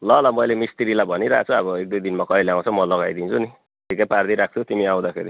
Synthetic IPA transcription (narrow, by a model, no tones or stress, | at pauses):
lʌlʌmʌjlemist̪iɾilabʱʌniɾa̰t͡sʰuabʌek̚d̪ujd̪inmakʌileaw̃t͡sʰʌmʌlʌɡajd̪int͡sʰuni | ʈʰikːajpard̪iɾak̚ʰt̪ʰut̪imiaw̃d̪akʰḛɾi